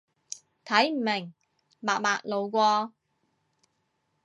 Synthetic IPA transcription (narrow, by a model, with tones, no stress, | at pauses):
t̪ʰɐ˨˥jm̩˨˩mɪ˨˩ŋ | maː˨˩k̚maː˨˧k̚lo˨˧wkʷɔː˧